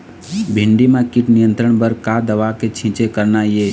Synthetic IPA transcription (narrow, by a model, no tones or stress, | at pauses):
bʱɪɳɖimãkɪʈnɪjə̃nt̪ɾəɳ̃bəɾkad̪əʋaket͡ʃʰĩːt͡ʃekəɾnajeː